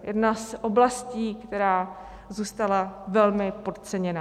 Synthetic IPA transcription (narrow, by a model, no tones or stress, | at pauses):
jɛdnasʔoblasciːkt̪ɛɾaː | zuːst̪alavɛlmɪpo̞t̪t͡sɛɲɛna